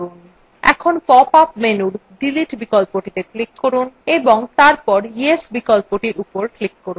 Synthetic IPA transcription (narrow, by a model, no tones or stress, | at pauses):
un | ɛ̰kʰonpɔpapmenuɾɖiliʈbikɔlpoʈit̪eklikːoɾuneboŋt̪aɾpɔɾiesbikɔlpoʈiɾupoɾklikːoɾun